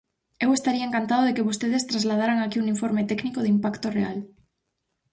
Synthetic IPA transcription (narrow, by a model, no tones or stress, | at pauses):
ewest̪aɾiaeŋkant̪aðoðekeβost̪eð̞est̪ɾazlað̞aɾaŋakiuŋiɱfoɾmet̪ɛknikoðimpakt̪orea̰l